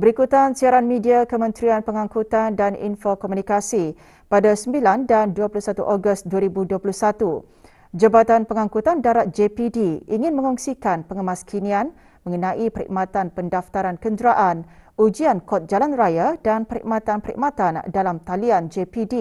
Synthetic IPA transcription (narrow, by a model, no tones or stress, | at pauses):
bəɾikut̪ansiaɾanmidiakəmə̃nt̪ɾianpəŋãŋkut̪andanḭnfokɔmunikasi | padasəmbilandanduapulusat̪uʔoɡʊst̪̚duaɾibuduapuluhsat̪u | d͡ʒəbat̪anpəŋãŋkut̪andaɾat̪̚d͡ʒepidiiŋɪ̃nmə̃ŋɔŋsikanpəŋəmaskʰinian | mə̃ŋənãʔipəɾḭʔmãt̪anpəndaft̪aɾankəndɾaʔanud͡ʒiankɔt̪̚d͡ʒalanrajadanpəɾḭʔ̚mãt̪anpəɾḭʔ̚mãt̪andalamt̪aliand͡ʒepidi